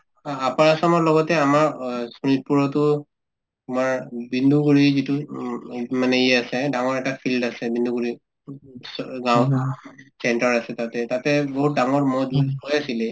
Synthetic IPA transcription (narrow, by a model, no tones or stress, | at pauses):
apaɹasɔmɔɹlɔɡɔtɛamaɹsunit̚puɹɔtʊ | umaɹbindʱuɡuɹizitu | manɛiɛasɛdaŋɔɹɛktapʰildasɛbindʱuɡuɹi | sɡãw | sɛntaɹasɛtatɛtatɛboɦut̚daŋɔɹmɔdipojasilɛ